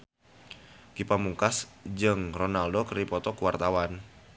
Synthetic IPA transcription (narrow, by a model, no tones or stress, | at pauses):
kipamuŋkasd͡ʒɨŋrɔnaldokɾipɔt̪ɔkuwart̪awan